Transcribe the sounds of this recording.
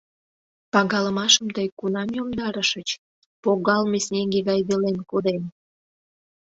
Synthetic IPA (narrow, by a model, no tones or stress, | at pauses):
pɑɣɑləmɑʃəmt̪əjkulɑmjomd̪ɑɾəʃət͡ɕ | poɣɑlmesnʲeŋɡeɣɑjβelenkod̪en